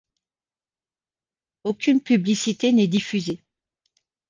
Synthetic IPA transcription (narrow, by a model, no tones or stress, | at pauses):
okʲynpyblisit̪enɛd̪ifyze